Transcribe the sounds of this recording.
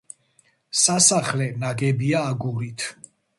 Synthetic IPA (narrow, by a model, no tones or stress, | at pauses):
sasaχlɛnaɡɛbiaːɡuɾit̪ʰ